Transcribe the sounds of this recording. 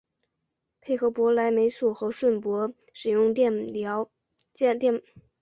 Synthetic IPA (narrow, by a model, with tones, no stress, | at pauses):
pʰe˥˩ɪxɤ˧˥pwɔ˧˥la˧˥ɪme˧˥ɪsɔ˨˩xɤ˧˥ʂwə˥˩npwɔ˧˥ | ʂɻ̩˨˩jʊ˥˧ŋ˥˩˧